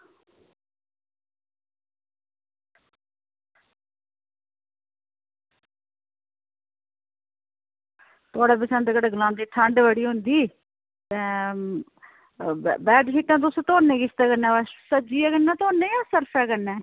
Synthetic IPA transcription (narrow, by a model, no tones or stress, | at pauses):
t̪ʊaːɽeːpəsə̃ːnd̪eːkəɽɡəlãːnd̪eːʈʰəɳɖbəɽiːɦʊ̃nd̪iː | t̪ɛ̃ː | bɛːɖʃiːʈːãːt̪̬ʊst̪oːɾnẽːkɪst̪ɛːkənɛːasəd͡ʒiːɛːkənːɛ̃ːt̪oːɾneːjaːsəɾpʰɛːkənːɛ̃ː